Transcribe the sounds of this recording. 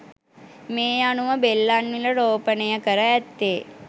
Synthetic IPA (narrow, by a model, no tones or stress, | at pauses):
meːanuʋəbelːanʋiləɾoːpənəjəkəɾəæt̪ːe